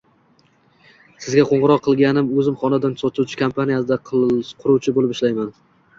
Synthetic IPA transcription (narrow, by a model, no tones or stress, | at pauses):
sɪzɡʲaqʰoɴʁɨɾɒqʰːɨlˠɡʲanɪmɵzɪmχɒnad̪ansɒt̪ʰuwt͡ʃʰɪ̥kʰampʰanijasɪd̪aqʰqʰʊɾuwt͡ʃʰɪbolɪpɪʃlajman